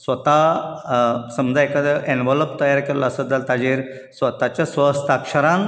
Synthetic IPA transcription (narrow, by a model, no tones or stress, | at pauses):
sʋət̪a | səmd͡zaekad̪əenʋɔləbt̪əjaɾkeɾlaːsəd̪alt̪ad͡ʑiɾ | sʋət̪at͡ɕasʋəst̪akʂəɾan